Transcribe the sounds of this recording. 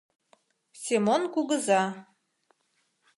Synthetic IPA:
sʲemonkuɣəzɑ

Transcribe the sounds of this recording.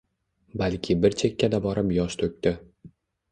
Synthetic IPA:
balkʲʰɪbɪɾt͡ʃʰe̞kʲːad̪abɒɾɪpjɒʃt̪ʰɵkʲt̪ɪ

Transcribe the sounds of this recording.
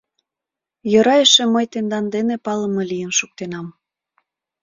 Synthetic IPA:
jɤɾɑjəʃeməjt̪end̪ɑnd̪enepɑləmɤlijənʃuk̚t̪enɑm

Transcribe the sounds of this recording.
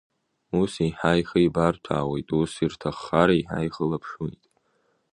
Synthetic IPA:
usiħajχaibartʷʰa̰ːwe̞jtʼusirtʰaχːaɾaiħa̰jχəlapʰʂujtʼ

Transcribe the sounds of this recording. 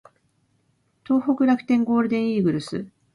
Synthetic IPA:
t̪o̞ːɦo̞kɯ̟ɾakɯ̥t̪ẽ̞ŋɡo̞ːɾɯ̟d̪ẽ̞ɰ̃iːɡɯ̟ɾɯ̟sɨ̰

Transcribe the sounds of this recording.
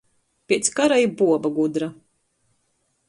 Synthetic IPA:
pʲiɛt̪skaɾaibuɔbaɡud̪ɾa

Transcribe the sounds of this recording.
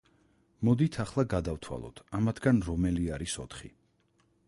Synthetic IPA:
mɔd̪it̪ʰaχlˠaɡad̪aft̪ʰwa̰lˠɔ̰t̪ʰamat̪ʰɡanɾɔmɛliaɾisɔ̰t̪ʰχḭ

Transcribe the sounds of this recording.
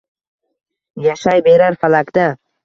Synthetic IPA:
jaʃajbeɾaɾfalakd̪a

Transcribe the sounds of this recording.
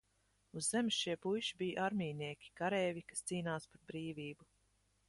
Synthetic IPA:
uzːɛmsʃiɛpujʃibijʔaɾmʲiːniɛkʲi̥kaɾɛːvʲikast̪siːnaːspaɾbɾiːviːbu

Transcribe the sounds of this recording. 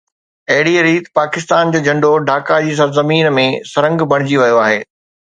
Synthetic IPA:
ɐɦɪɽiɾiːt̪paːkɪst̪aːnd͡ʑoːd͡ʑɐ̃ɳɖoɖʱaːkad͡ʑiːs̬ɐɾzɐmiːnmẽsɐɾə̃ŋɡbʱɐɽ̃ɪd͡ʑiʋɐjoaːɦeː

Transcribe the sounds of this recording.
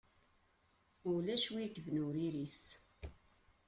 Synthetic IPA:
ʊlæʃwiɾkːəvnʊɾiɾis

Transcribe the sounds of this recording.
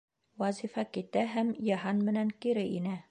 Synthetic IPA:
wæzifɑkit̪æɦæmjɑɦɑnmɘ̆næŋkiɾɘʔinæ

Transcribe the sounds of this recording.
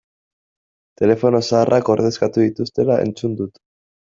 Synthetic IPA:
t̪e̞le̞fo̞no̞saːrʔako̞ɾð̞e̞skat̪uðit̪ust̪e̞lae̞̰nt͡sund̪ut̪

